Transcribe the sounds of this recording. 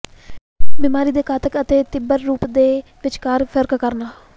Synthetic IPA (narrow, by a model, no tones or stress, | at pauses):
biːmaːɾiːd̪eːkʰaːt̪əkət̪eːt̪ɪbəɾːuːpd̪eː | ʋɪt͡ʃkaːɾpʰəɾkkəɾnaː